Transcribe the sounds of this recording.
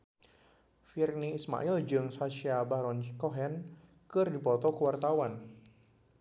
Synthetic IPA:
firniːsma̰ʔild͡ʒɨŋsasiabaɾɔnkɔɦɛn | kɨrdipɔt̪ɔkuwart̪awan

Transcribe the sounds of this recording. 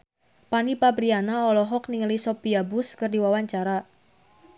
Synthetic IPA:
panipabɾianaɔlɔɦɔkniŋəlisɔpiabʊskərdiwawaɲt͡ʃaɾa

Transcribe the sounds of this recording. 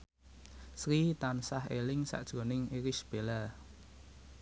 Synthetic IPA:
sɾit̪ansaɦelɪŋsa̰ʔd̥ʒ̥ɾo̤nɪŋiɾisb̥e̤la

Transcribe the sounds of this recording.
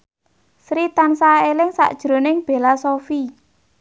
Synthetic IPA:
sɾit̪ansaelɪŋsa̰ʔd̥ʒ̥ɾo̤nɪŋb̥e̤lasofi

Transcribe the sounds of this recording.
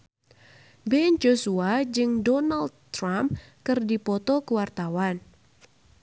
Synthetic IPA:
bɛnd͡ʒosuad͡ʒɨŋdɔnald̪t̪ɾampkɨrdipɔt̪ɔkuwart̪awan

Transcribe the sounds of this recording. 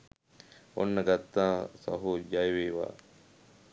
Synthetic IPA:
onːɐɡɐt̪ːãːsɐ̰ɦud͡ʒajʋeːʋa̰ː

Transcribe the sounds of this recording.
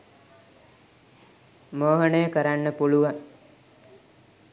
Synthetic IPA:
məːɦəɳəjəkəɾanːəpuluʋaŋ

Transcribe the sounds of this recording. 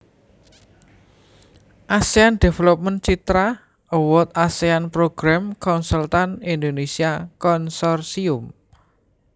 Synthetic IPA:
ʔaseand̪̥e̤felɔp̚mənt͡ʃit̪ɾa | ɔwɔt̪̚aseanpɾoɡ̥ɾamkɔnsult̪anind̪onesiakɔnsɔrsiʊm

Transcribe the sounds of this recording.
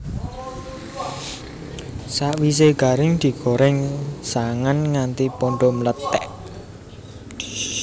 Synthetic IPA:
saʔwis̬eɡ̥a̤ɾɪŋd̪̥i̤ɡ̥o̤ɾɛŋsaŋanŋant̪ipoɳɖɔmlət̪ɛ̰ʔ

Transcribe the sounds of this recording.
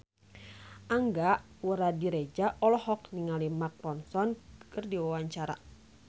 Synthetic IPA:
ʔaŋɡaʔ | wəɾadiɾed͡ʒaʔɔlɔhɔkniŋalimak̚rɔnsɔnkərdiwawaɲt͡ʃaɾa̰

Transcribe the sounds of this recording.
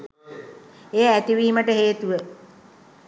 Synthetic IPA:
ejaæt̪iʋiːiməʈəɦeːt̪uʋə

